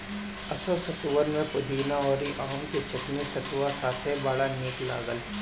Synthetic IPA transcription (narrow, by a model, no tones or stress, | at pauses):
ɐsəʋsɐt̪uʋəɾmẽpʊd̪ʱiːnaɔːɾiʔaːɦõmket͡ʃɐtnesɐt̪ʋasaːt̪ʰɦɛbaːɭaneːʈla̰ːɡəl